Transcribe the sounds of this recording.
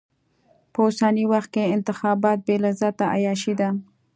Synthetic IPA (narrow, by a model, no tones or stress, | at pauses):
pəʊsaniwaxt̪̚keɪnt̪ɪxɑbɑt̪̚belazɑt̪aʔa̰jɑʃid̪a